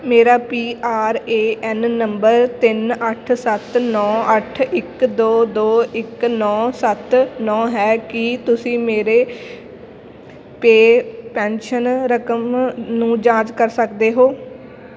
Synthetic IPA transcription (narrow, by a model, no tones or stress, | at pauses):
meːɾaːpiːʔaːɾeːʔɛnːəmbəɾt̪ɪnəʈʰsət̪nɔːəʈʰɪkd̪oːd̪oːɪknɔːsət̪nɔ̃ːɦɛːkɪt̪ʊsĩːmeːɾeː | peːpɛ̃ːnʃənɾəkəmnũːd͡ʒãːt͡ʃkəɾsəkd̪eːɦoː